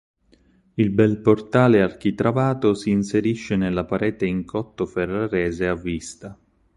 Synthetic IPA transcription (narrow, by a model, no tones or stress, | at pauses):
ilbɛlport̪aːleark̟it̪ɾavaːt̪osiːnseɾiʃːenelːapaɾɛːt̪eiŋkʰɔt̪ːoferːaɾɛːzeavːist̪a